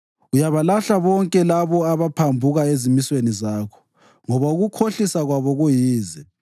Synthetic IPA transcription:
ujaβalaɬaβɔŋkʼɛlaβɔaβapʰambʱuɣaezimiswenizaːkʰɔ̥ | ŋɔβauɣukʰoɬisaɣwaβɔɣujiːzɛ

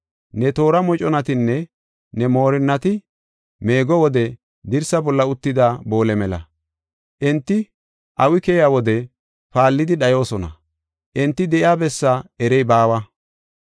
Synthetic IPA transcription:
nɛt̪o̞ːɾɐmɔt͡ʃʼɔnɐt̪ɪnːɛ | nɛmo̞ːɾɪnːɐt̪ɪ | me̞ːɡɔwɔd̪ɛ | d̪ɪɾsɐbɔlːɐʊt̪ːɪd̪abo̞ːlɛmɛlɐ̰ | ʔɛnt̪ːɪ | ʔɐwɪkɛjaːwɔd̪ɛ | paːlːɪd̪ɪɗɐjo̞ːsɔnɐ̰ | ʔɛnt̪ːɪd̪ɛʔɪaːbɛsːaɛɾɛjbaːwɐ

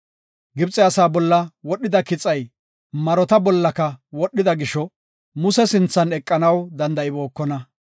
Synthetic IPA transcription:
ɡɪbt͡sʼɛɐsaːbɔlːɐwɔɗːɪd̪ɐkɪt͡sʼɐj | mɐɾɔt̪ɐbɔlːɐkɐwɔɗːɪd̪ɐɡɪʃɔ | mʊsɛsɪnt͡sːɐnɛkʼːɐnɐwd̪ɐnd̪ɐʔɪbo̞ːkːɔnɐ

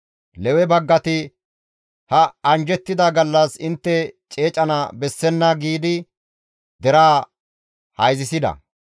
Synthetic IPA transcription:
lɛwɛbɐɡːɐt̪ɪ | hɐɐnd͡ʒɛt̪ːɪd̪ɐɡɐlːɐsɪnt̪ːɛt͡ʃʼe̞ːt͡ʃʼɐnɐbɛsːɛnːɐɡiːd̪ɪ | d̪ɛɾaː | hɐjzɪsɪd̪ɐ̰

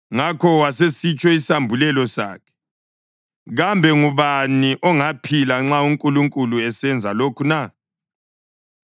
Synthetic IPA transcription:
ŋakʰɔwasesit͡ʃʼɔisambʱulɛlɔsa̰ːkʰɛ̥ | ɣambʱɛŋuβaniʔɔŋapʰilaŋ͡ǁauŋkʼuluŋkʼuluɛsɛnd͡zʱalokʰuna

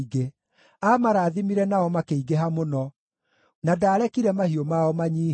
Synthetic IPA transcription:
ɡe | amaɾaːðimiɾɛnaɔmakeiɡeɦamonɔ | nadaːɾɛkiɾɛmahiomaɔmaɲiː

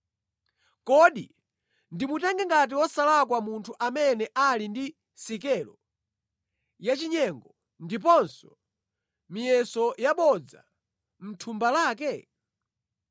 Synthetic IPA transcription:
kɔɗi | ndimutɛŋɡɛŋɡat̬iwɔsalakwamuntʰuʔamɛnɛʔalindi | sikɛːlɔ | jat͡ʃiɲɛŋɡɔ | ndip̬ɔnsɔ | mijɛsɔjaɓɔd͡za̰ | m̩tʰumbalaːk̬ɛ

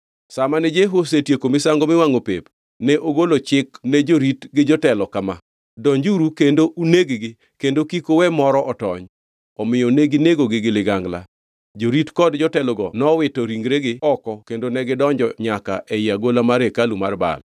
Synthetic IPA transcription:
samanɛd͡ʒeɦos̬etjekomɪsaŋɡomɪwaŋopḛp | nɛʔoɡolot͡ʃɪknɛd͡ʒoɾitɡɪd͡ʒɔtɛlɔkama | dɔɲd͡ʒuɾukendoʔuneɡɪɡɪ | kendokikowɛmɔɾɔʔɔtɔ̰ɲ | ɔmɪjɔneɡɪneɡoɡɪɡɪlɪɡaŋɡla̰ | d͡ʒoɾitkɔdd͡ʒɔtɛlɔɡɔnɔwɪtɔɾiŋɡɾeɡɪɔkɔkendonɛɡɪdɔɲd͡ʒɔɲaka̰ʔɛɪaɡolamaɾekalumarba̰l

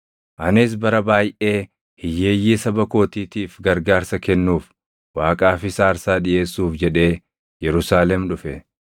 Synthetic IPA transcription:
ʔɐnɪs̬bɐɾɐbaːjʔe̞ː | hɪjːe̞ːjːiːsɐbɐko̞ːt̪iːt̪iːfɡɐɾɡaːɾsɐkɛnːuːf | waːkʼaːfɪsaːɾsaːᶑɪʔe̞ːsːuːfd͡ʒɛᶑe̞ː | jɛɾʊsaːlɛmᶑʊfɛ

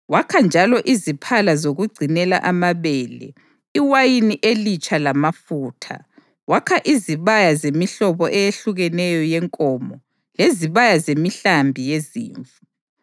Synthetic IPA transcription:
wakʰand͡ʒʱalɔʔizipʰalazoɣuɡ͡ǀʱinɛla̰ʔamaβɛːlɛ̰ | iwajiniʔelit͡ʃʼʰalamafuːtʰa̰ | wakʰaʔiziβajazemiɬɔβɔʔɛjeɬuɣɛnɛjɔjɛŋkʼɔmɔ | leziβajazemiɬambʱijezḭːɱfu

